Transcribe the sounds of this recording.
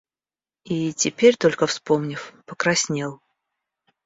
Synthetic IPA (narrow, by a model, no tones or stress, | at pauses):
itʲɪpʲeɾʲt̪o̞lʲkəfspo̞mnʲɪfpəkɾɐsʲnʲelˠ